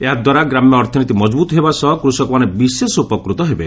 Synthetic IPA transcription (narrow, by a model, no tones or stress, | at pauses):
eɦad̪waɾaɡɾamjɔːɾt̪ʰɔnit̪imɔd͡ʒbut̪ɔɦebasɔɦɔkɾusɔkɔmanebisesɔupɔkɾut̪ɔɦebe